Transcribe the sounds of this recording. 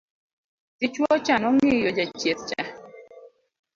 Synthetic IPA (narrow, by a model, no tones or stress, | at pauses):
tɪt͡ʃwɔt͡ʃanɔŋɪjod͡ʒat͡ʃjet̚t͡ʃa̰